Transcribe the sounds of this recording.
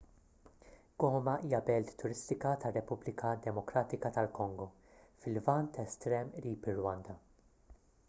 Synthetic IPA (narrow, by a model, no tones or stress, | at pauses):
ɡ̥ɔːmɐʔiːjɐbɛlt̪ːʊɾɪst̪ɪkɐt̪ɐrːɛpʊblɪkʰɐd̪ɛmɔkɾɐːt̪ɪkɐt̪ɐlkɔŋɡɔ | fɪlvɐnt̪ɛst̪ɾɛːmɾiːpɪrwɐnd̪ɐ